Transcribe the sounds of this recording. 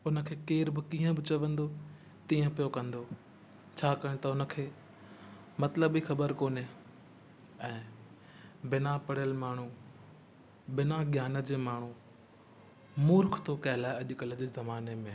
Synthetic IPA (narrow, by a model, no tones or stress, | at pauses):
ʊnə̆kʰeːkeːɾbɪkiːə̃bɪt͡ɕɐʋə̃nd̪o | t̪iːə̃pijokɐ̃nd̪oː | t͡ɕʰaːkɐɽ̃ẽt̪ɐʊnə̆kʰeː | mɐt̪ləbixɐbəɾkoːne | ɛ̃ː | bɪnapɐɽjəlmaːɳ̤u | bɪnaɡjaːnəd͡ʑeːmaːɳ̤u | mʊːɾkʰt̪okɐɦɪlaːeɐʄʊkələd͡ʑeːzɐmaːnemẽ